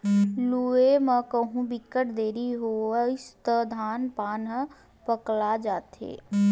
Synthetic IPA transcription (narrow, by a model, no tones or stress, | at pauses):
lueməkəɦũbɪkːəʈd̪eːɾiɦoɪst̪əd̪ʱaːnpaːn | pəklad͡ʒaːt̪ḛː